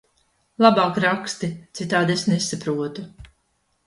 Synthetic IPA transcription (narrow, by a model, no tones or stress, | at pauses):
lˠabaːkɾakst̪it̪sit̪aːd̪esnesapɾuɔt̪u